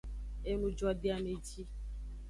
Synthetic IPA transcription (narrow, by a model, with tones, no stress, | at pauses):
e˦nũ˦d͡ʒwa˨bi˦a˦me˨d͡ʒi˦